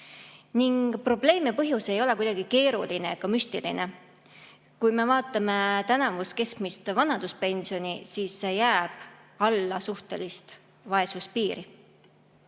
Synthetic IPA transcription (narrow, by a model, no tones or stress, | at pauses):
niŋɡ̥pro̞ble̞ːmepɤɦjuse̞jo̞le̞kujd̪ɑɡ̥ike̞ːɾṵline̞kɑmyst̪ilḭne̞ | kujme̞vɑːt̪ːˑɑme̞t̪ænɑvuske̞skmist̪vɑnɑd̪uspe̞nsio̞nʲisiːsːe̞jæːb̥ | ɑlːɑsuht̪e̞̰list̪ | vɑe̞suspiːɾi